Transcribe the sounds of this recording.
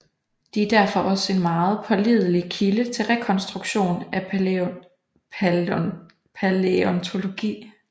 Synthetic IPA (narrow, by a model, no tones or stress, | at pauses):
d̥iæɐd̥æɐfɒ̽ʔɒ̽səe̝nmɑ̈ːð̞̩ˠpʰɒ̽lið̞ˠəlikʰilət͡sʰe̝lʁɛkʰɒ̽nsd̥ʁuɡ̥ɕo̝̰ːnæ | pʰæleɔnt͡sʰo̝lo̝ɡ̥ḭː